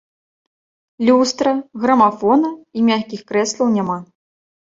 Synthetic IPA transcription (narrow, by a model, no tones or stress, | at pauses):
lʲust̪ɾɐɣɾɐmafɔnɐimʲaxʲkʲixkɾɛslˠɐwnʲama